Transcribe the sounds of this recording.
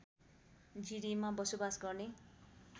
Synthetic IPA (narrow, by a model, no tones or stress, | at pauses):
d͡ziɾimabʌsobasɡʌrne